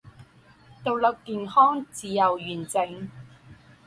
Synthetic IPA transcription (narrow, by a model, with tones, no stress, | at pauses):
t̪o˨˩wlɐ˨w̚kiː˨nhɔː˥ŋt͡siː˨jɐ˨wjyː˨˩nt͡sɪ˨˧ŋ